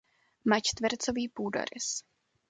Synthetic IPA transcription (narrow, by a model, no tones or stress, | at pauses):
mat͡ʃt̪vɛɾt͡soviːpuːdo̰ɾɪ̰s